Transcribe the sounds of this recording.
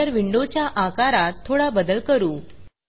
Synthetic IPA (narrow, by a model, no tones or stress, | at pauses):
əɾʋiɳɖot͡ɕjaʔakaɾat̪ʰːoɽabəd̪əlkəɾuː